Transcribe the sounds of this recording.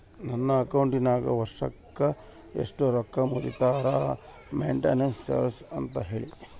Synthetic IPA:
nɐnːɐːkɐwuɳʈinaːɡɐʋɐɾʂɐkːɐ | ḛʂʈoɾɔkːɐmuɾḭt̪aːɾa | meɳʈḛnenst͡ʃɐ̰ɾsɐnt̪ɐɦeːɭi

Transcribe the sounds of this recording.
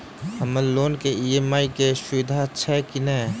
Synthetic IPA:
həməlloːnkeiemaːikeʃʊʋɪd̪ʱat͡ʃʰɛːkɪnɛː

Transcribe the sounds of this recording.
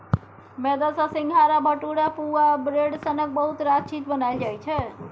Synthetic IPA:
med̪ʌsasiŋɡʱaɾabʌʈuɽapuwabɾeɽsʌnʌk̚bʌɦut̪ɾat͡ʃʰit̪̚bʌnaid͡ʒajt͡ʃʰʌ

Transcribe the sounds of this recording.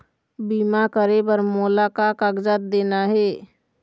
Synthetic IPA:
biːmakəɾebəɾmoːlakakaɡd͡ʒət̪̚d̪eːnaɦɛː

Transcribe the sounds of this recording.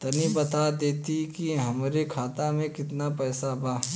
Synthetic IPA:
t̪ɐnibɐt̪ad̪eːt̪ikiɦɐmɾekʰaːt̪amẽkɪt̪napɛːsabaː

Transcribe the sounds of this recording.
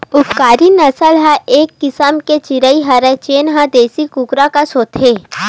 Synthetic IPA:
ʊpkaːɾinɐsəlɦɛ̃eːkːɪsəmket͡ʃɪɾəiɦɐɾɛt͡ʃeːnɦãd̪eːsikukɾakasoːt̪ʰeː

